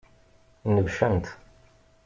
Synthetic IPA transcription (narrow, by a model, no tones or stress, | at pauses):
nəvʃænt̪